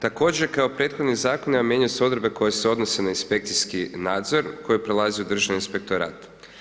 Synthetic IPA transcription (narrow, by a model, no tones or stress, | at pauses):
t̪ako̞d͡ʑeɾkaopɾe̞ːt̪xod̪nizaːko̞niamjeːɲuseo̞d̪ɾebeko̞jese̞o̞d̪nose̞nainspe̞k̚t̪siskinaːd̪zo̞ɾko̞jepɾelˠaziud̪r̩ʒaaninspe̞k̚t̪o̞ɾa̰ːt̪